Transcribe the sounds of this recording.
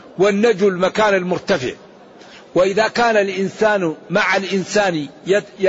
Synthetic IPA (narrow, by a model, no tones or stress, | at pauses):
wanːad͡ʒulmakaːnalmʊɾt̪afɪ̰ʕ | waʔɪðaːkaːnalʔɪnsaːnmaʕalʔɪnsaːn